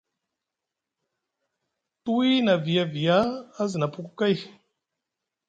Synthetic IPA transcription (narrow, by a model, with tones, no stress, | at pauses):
tu˦wi˦na˨vi˨ja˦vi˨jaː˦zə˨na˨pu˦ku˦ka˦j